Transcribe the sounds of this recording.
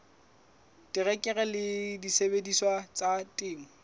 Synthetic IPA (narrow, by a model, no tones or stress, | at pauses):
tɪrɛkʼɛɣɛlɪdisebediswat͡sʼatʼɪːŋʊ